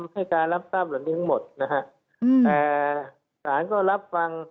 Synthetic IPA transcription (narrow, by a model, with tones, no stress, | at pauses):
mha˥˩jkaː˧nɾa˦˥˩p̚saː˥˩p̚la˨˩˦niː˦˥t̪ʰa˦˥ŋmo˨˩t̪̚na˦˥kʰa˦˥ʔ | t̪ɛː˨˩ | saː˩˦nkɔː˥˩ɾa˦˥p̚fa˧ŋ